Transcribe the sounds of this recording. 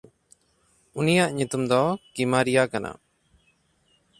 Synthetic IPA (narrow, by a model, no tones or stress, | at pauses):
unijaʔɲut̪umd̪ɔkimaɾijakana̰